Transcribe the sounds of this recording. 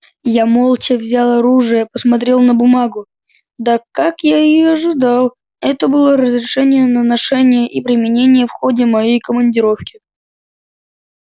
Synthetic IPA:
jamo̞lˠt͡ɕəvzʲalˠəɾuʐɨjəpəsmɐt̪ɾʲe̞lˠnəbʊmaɡʊ | d̪akakjaɪɪjɐʐɨd̪alˠ | ɛt̪əbɨlˠəɾəzɾʲɪʂɛnʲɪjənənɐʂɛnʲɪjəʔipɾʲɪmʲɪnʲenʲɪjəfxodʲɪmɐjejkəmənʲdʲɪɾo̞fkʲɪ

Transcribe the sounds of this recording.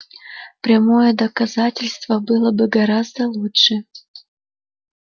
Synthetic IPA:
pɾʲamojəd̪ɐkɐzatʲɪlʲst̪vəbɨlˠəbɨɡɐɾazd̪əlˠutʂɨ

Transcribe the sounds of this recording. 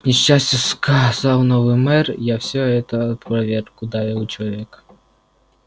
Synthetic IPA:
nʲiʃt͡ʃasʲtʲɐskɐzɑwnɔʋɪmɛrjawsʲɔɦɛt̪ɐɐt̪pɾɐʋʲɛrkʊd̪ɑjɛwt͡ʃɔʋʲɛk

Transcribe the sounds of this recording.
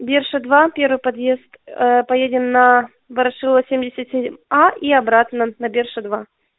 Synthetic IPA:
bʲerʂɨd̪vapʲe̞ɾvɨjpɐd̪je̞st̪pɐjedʲɪnːɐ | vɐɾɐʂɨlˠəsʲemʲdʲɪsʲɪt̪ʲsʲemʲaʔiɐbɾat̪nənɐbʲerʂɨd̪va

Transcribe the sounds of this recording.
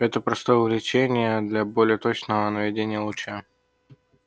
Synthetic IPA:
ɛt̪əpɾɐst̪o̞jəvlʲɪt͡ɕenʲɪjəd̪lʲɐbolʲɪjət̪o̞t͡ɕnəvənəvʲɪdʲenʲɪjəlˠʊt͡ɕa

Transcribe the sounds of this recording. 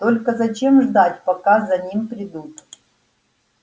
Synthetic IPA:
t̪olʲkəzɐt͡ɕemʐd̪atʲpɐkazɐnʲimpɾʲɪd̪ut̪

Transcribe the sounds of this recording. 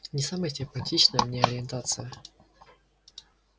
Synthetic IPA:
nʲɪsaməjəsʲɪmpɐtʲit͡ɕnəjəmnʲeɐɾʲɪɪnt̪at̪sɨjə

